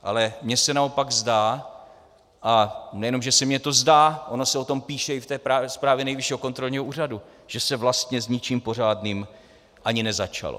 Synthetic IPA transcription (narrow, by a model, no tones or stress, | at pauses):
ʔa̰lɛmɲɛsɛnao̞paɡzdaː | ʔanɛjɛno̞mʒɛsɛmɲɛt̪o̞zdaːʔonosɛo̞t̪o̞mpiːʃɛɪft̪ɛːpɾaːspɾaːvjɛnɛjvɪʃiːɦokont̪ɾo̞lɲiɦoʔuːradu | ʒ̥ɛsɛvlast̪ɲɛzɲɪt͡ʃiːmpo̞r̝aːdniːm | ʔaɲɪnɛzat͡ʃa̰lo̰